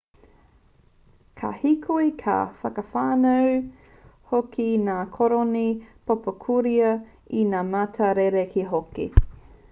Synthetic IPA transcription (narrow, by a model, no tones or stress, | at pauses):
kʰa̰hikʰoikʰa̰fɐkəfaːnɐw | hokʰinaːkʰoɾonipʰopəkʰuɾiɐ | inaːmatʰɐɾeɾekʰiɦokḭ